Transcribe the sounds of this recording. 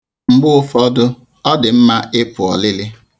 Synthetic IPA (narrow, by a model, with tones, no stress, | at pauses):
ŋ͡m̩˨ɡ͡bʊ˦ʊ˦fɔ˦dʊ˦ | ɔ˦dɪ˨m̩˦ma˦ʔɪ˦pʊ˨ɔ̰˨lɪ˦lɪ˦